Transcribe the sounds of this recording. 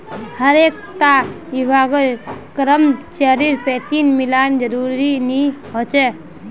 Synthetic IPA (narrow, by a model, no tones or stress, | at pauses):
həɾek̚ | t̪a | ibaɡəlkəɾəmt͡ʃəɾiɾpɛːsinmiland͡ʒəɾuɾiniɦot͡ʃe